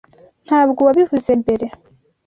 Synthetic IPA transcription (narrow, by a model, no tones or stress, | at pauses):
n̥haːβɡuwabivuzembeɾe